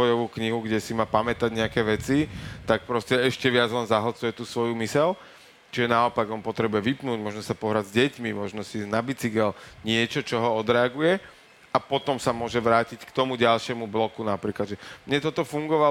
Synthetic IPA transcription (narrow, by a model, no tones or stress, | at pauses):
ɔjɔʋuːkɲiɦuɡɟɛsimaːpamɛt̪aɟɲɛakɛːʋɛt͡sit̪ak̚pɾɔscɛɛʃcɛʋɪad͡zlɛnzaɦɔt͡sujɛt̪uːsʋɔjumisɛl | t͡ʃiʒɛnaɔpaɡɔnpɔt̪ɾɛbujɛʋipnuːɟmɔʒnɔsapɔɦɾaɟzɟɛcmimɔʒnɔsiznabit͡siɡɛlɲɪɛt͡ʃɔt͡ʃɔɦɔɔd̪ɾɛaɡujɛ | apɔt̪ɔmsamʊɔʒɛʋɾaːcickt̪ɔmuɟalʃɪɛmublɔkunapɾiːklad̪ʒɛmɲɛt̪ɔt̪ɔfuŋɡɔʋa